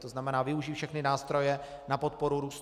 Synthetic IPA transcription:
t̪oznamɛnaːvɪuʒiːfʃɛxnɪnaːst̪ɾo̞jɛ | napo̞t̪̚po̞ɾuɾuːst̪

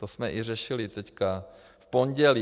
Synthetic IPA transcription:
t̪osmɛʔɪrɛʃɪlɪt̪ɛcka | fpo̞ɲɟɛliː

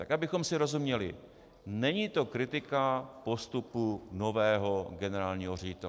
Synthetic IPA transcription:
t̪akabɪxo̞msɪɾo̞zumɲɛlɪ̰ | nɛɲit̪o̞kɾɪt̪ɪkapo̞st̪upuno̞vɛːɦo̞ɡɛnɛɾaːlɲiːɦorɛɟɪt̪ɛl

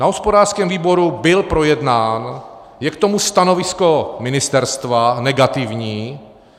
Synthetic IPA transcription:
naɦospo̞daːrskɛːmviːbo̞ɾubɪlpɾo̞jɛdnaːn | jɛkt̪o̞must̪ano̞vɪsko̞mɪnɪst̪ɛɾst̪vanɛɡat̪ɪvɲiː

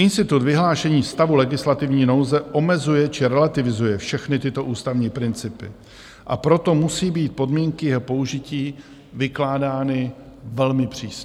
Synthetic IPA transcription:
ʔɪnst̪ɪt̪ut̪vɪɦlaːʃɛɲiːst̪avulɛɡɪslat̪ɪvɲiːno̞wzɛʔo̞mɛzujɛt͡ʃɪɾɛlat̪ɪvɪzujɛfʃɛxnɪt̪ɪt̪o̞ʔuːst̪avɲiːpɾɪnt͡sɪpɪ̰ | ʔapɾo̞t̪o̞musiːbiːt̪̚po̞dmiːŋkɪjɛpo̞uʒɪciː | vɪklaːdaːnɪ | vɛlmɪpr̝̥iːsɲɛ

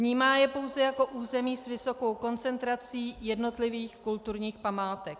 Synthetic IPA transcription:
vɲiːmaːjɛpo̞wzɛjako̞ʔuːzɛmiːsvɪso̞ko̞wko̞nt͡sɛnt̪ɾat͡siːjɛdno̞t̪lɪviːxkult̪uɾɲiːxpamaːt̪ɛk

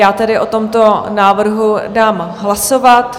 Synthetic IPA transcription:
aːt̪ɛdɪʔot̪o̞mt̪o̞naːvr̩ɦudaːmɦlasovat̪

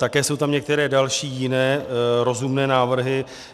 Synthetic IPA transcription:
t̪akɛːso̞wt̪amɲɛk̚t̪ɛɾɛːdalʃiːjɪnɛːɾo̞zumnɛːnaːvr̩ɦɪ

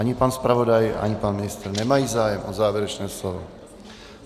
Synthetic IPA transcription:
aɲɪpanspɾavodaja̰ɲɪpanmɪnɪst̪rnɛmajiːzaːjɛmʔozaːvjɛɾɛt͡ʃnɛːslovo̰

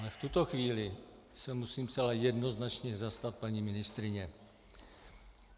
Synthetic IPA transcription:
alɛft̪ut̪o̞xviːlɪ | sɛmusiːmt͡sɛlajɛdno̞znat͡ʃɲɛzast̪at̪̚paɲiːmɪnɪst̪ɾɪɲɛ

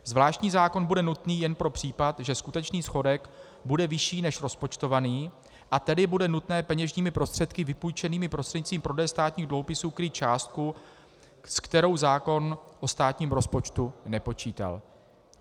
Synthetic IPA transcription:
zvlaːʃt̪ɲiːzaːko̞nbudɛnut̪niːjɛnpɾo̞pr̝̥iːpat̪ʒɛskut̪ɛt͡ʃniːsxo̞dɛk | budɛvɪʃiːnɛʃɾo̞spo̞t͡ʃt̪o̞vaniː | ʔat̪ɛdɪbudɛnut̪nɛːpɛɲɛʒɲiːmɪpɾo̞st̪r̥ɛt̪kɪvɪpujt͡ʃɛniːmɪpɾo̞st̪r̥ɛɲɪt͡sviːmpɾo̞dɛːst̪aːt̪ɲiːɣdluɦopɪsuːkɾɪt͡ʃaːst̪̚ku | skt̪ɛɾo̞wzaːko̞nʔost̪aːt̪ɲiːmɾo̞spo̞t͡ʃt̪unɛpo̞t͡ʃiːt̪a̰l

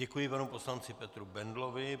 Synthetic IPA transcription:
ɛkujɪpanupo̞slant͡sɪpɛt̪ɾubɛndlovɪ

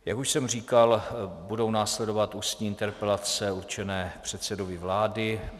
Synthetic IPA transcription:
jakuʃsɛmriːkalbudo̞wnaːslɛdo̞vat̪uːst̪ɲiːɪnt̪ɛɾpɛlat͡sɛuɾt͡ʃɛnɛːpr̝̥ɛt̪sɛdovɪvlaːdɪ

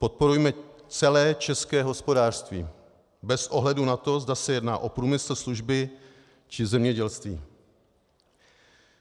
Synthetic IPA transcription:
po̞t̪̚po̞ɾujmɛt͡sɛlɛːt͡ʃɛskɛːɦo̞spo̞daːr̥st̪vḭː | bɛsʔo̞ɦlɛdunat̪o̞zdasɛjɛdnaːʔo̞pɾuːmɪsl̩sluʒbɪ | t͡ʃɪzɛmɲɛɟɛlst̪viː

